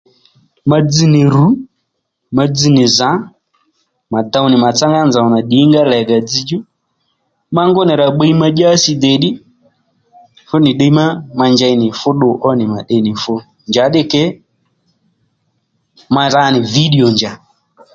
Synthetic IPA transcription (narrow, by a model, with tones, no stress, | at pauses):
ma˦d͡zi˨nɪ˨ɾu˨˦ | ma˧d͡zi˨nɪ˨za˨˦ | ma˨ta˧u˦nɪ˨ma˨t͡sa˦ŋɡa˦nza˨ɔ˨na˨ɗi˨˦ŋɡa˦lɛ˨ɡa˨d͡zi˧d͡ʒu˦ | ma˦ŋɡʊ˦nɛ˨ɾa˨ɓe˦i˦ma˦d͡ʒa˦sɪ˧d̪ɛ˨ɗɪ˦ | fʊ˦nɪ˨ɗe˦i˦ma˦ma˧nd͡ʒa˧i˦nɪ˨fʊ˦ɗʊ˨ʔɔ˦nɪ˨ma˨ɗe˦˨˦nɪ˨fʊ˦ | nd͡ʒa˨˦ɗɪ˦kɛ˦ | ma˧ɾa˦nɪ˨vi˦ɗi˨ɔ˨nd͡ʒa˨